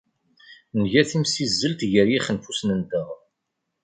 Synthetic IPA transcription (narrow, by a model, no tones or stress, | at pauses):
nʝæθimsizːəlt̪ʝəɾjiχənfusnənd̪əʁ